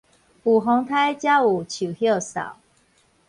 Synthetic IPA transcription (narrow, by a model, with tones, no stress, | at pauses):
pu˨˩ɦɔ˧˥ŋt̪ʰa˥ɪt͡ɕja˦˥u˨˩t͡ɕʰu˨˩hjɔ˥˩ʊsɑ̰˨˩˦ʊ